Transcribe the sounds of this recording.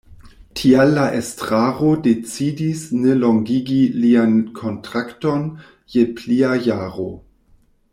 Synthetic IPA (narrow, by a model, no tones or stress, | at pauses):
tʰialːaʔestʁaʁodet͡sidisneloŋɡiɡiliankʰontɾakton | jepliajaːʁo